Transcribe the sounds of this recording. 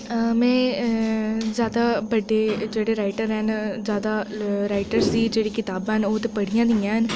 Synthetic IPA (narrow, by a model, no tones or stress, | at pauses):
mɛ̃ː | zjaːd̪aːbəɖeːd͡ʒeːɽeːɾaːɪʈəɾɦɛnzjaːd̪aːɾaːɪʈəɾsd̪iːd͡ʒeːɽiːkɪt̪aːbənoːt̪eːpəɽijãːd̪iːãːɦən